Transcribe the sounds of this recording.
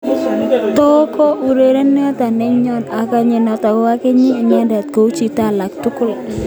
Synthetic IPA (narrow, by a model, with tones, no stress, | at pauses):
t̪ɔ˦kɔ˦ʔu˨ɾe˨ɾe˦nː˦a˦ta˨nɛ˦ɲɔ˦˨na˨ka˨ɲe˨nɔ˨ta˨kɔ˦a˦ke˦ɲi˦˨ɲa˦nda˨t̪̚ko˨˦wt͡ʃi˨ta˦la˨ktʊ˦kʊ˦l